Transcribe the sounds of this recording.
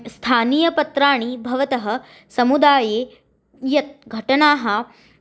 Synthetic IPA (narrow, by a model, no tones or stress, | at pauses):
st̪ʰaːniːjɐpɐt̪ɾaːɳ̃ibʱɐʋɐt̪ɐɦɐ̆ | sɐmud̪aːjeː | jɐt̪̚ɡʱɐʈɐnaːɦɐ